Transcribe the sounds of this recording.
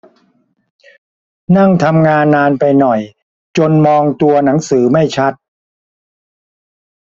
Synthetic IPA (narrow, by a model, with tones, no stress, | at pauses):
na˥˩ŋt̪ʰa˧mŋaː˧nːaː˧npa˧jnɔ˨˩j | t͡ɕo˧nmɔː˧ŋt̪u˧ɐna˩˦ŋsɯː˩˦ma˥˩jt͡ɕʰa˦˥t̪̚